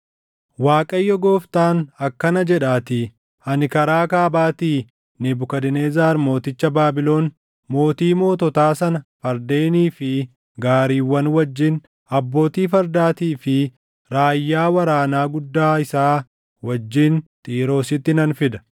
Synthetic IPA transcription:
waːkʼɐjːɔɡoːft̪aːnɐkːɐnɐd͡ʒɛᶑaːt̪ɪ | ɐnkɐɾaːkaːbaːt̪iː | nɪbʊkɐd̪ɪneːzaːɾmo̞ːt̪ɪt͡ʃːɐbaːbɪlo̞ːn | mo̞ːt̪iːmo̞ːt̪ɔt̪aːsɐnɐfɐɾd̪e̞ːniːfɪ | ɡaːɾiːwːɐnwɐd͡ʒːɪn | ɐbːo̞ːt̪iːfɐɾd̪aːt̪iːfɪ | ɾaːjːaːwɐɾaːnaːɡʊd̪ːaːɪsaː | wɐd͡ʒːɪnt̪ʼiːɾo̞ːsɪt̪ːɪnɐnfɪd̪ɐ̥

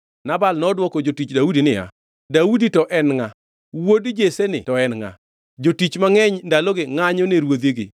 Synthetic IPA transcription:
nabalnɔdwɔkɔd͡ʒotit͡ʃdaudinɪja̰ | dauditɔʔɛnŋa | wodd͡ʒesenɪ̰tɔɛnŋa̰ | d͡ʒotit͡ʃmaŋɛɲndalɔɡɪŋaɲɔneɾwod̪iɡɪ̰

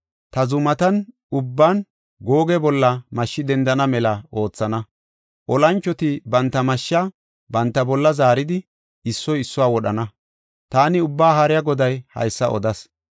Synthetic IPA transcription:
t̪ɐzʊmɐt̪ɐn | ʊbːaːn | ɡo̞ːɡɛbɔlːɐmɐʃːɪd̪ɛnd̪ɐnɐmɛlɐo̞ːt͡sːɐnɐ | ʔɔlɐnt͡ʃːɔt̪ɪbɐnt̪ːɐmɐʃːɐ | bɐnt̪ːɐbɔlːɐzaːɾɪd̪ɪ | ɪsːɔjɪsːɔwaːwɔɗɐnɐ | t̪aːnɪʊbːaːɦɐɾɪjɐɡɔd̪ɐjhɐ̰jsːɐ̰ʔɔ̰d̪ɐs

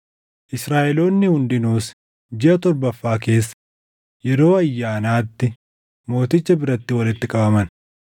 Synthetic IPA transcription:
ʔɪsɾaːʔɛlo̞ːnːɪhʊnd̪ɪnuːs | d͡ʒɪʔɐt̪ɔɾbɐfːaːke̞ːsːɐ̥ | jɛɾo̞ːɐjːaːnaːt̪ːɪ | mo̞ːt̪ɪt͡ʃːɐbɪɾɐt̪ːɪwɐlɪt̪ːɪkʼɐbɐmɐn

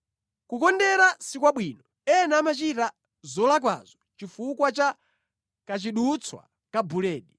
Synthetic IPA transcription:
kukɔndɛɾasikwaɓwiːnɔ | ɛnaːmat͡ʃita | zɔlak̬wa̰zɔt͡ʃifukwat͡ʃa | kat͡ʃiɗut͡sʰwa̰ | kabulɛːɗi

